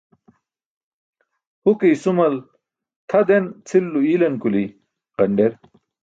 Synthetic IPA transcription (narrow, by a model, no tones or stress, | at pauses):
hukijsumɐl | t̪ʰɐd̪ent͡sʰilːuilɐnkuli | qɐɳɖeɾ